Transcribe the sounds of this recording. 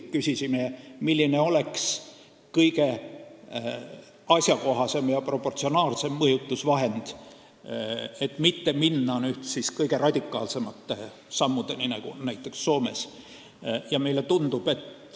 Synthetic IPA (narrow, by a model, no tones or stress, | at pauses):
kysʲisimemilʲːine̞o̞le̞ks | kɤjɡe̞ | ɑsʲjɑko̞ɦɑse̞mjɑpro̞pːo̞rt̪sio̞nɑːlse̞mːɤjut̪ːˑusvɑɦe̞nd̪̥ | e̞t̪ːˑmit̪ːe̞minːɑnyht̪siskɤjɡ̥e̞rɑd̪̥ʲikˑːɑ̰ːlse̞mɑt̪ːe̞ | sɑmːud̪̥e̞ninɑɡ̥unæjt̪ːˑe̞ksːo̞ːme̞̰s | jɑme̞jle̞t̪und̪̥ub̥e̞t̪ː